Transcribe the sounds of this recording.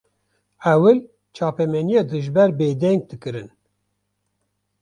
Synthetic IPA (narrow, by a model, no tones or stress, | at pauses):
ɛwɨl | t͡ʃʰɑːpɛmɛnijeːd̪ɨʒbɛɾbeːd̪ɛŋɡ̚d̪ɨkɨɾɨn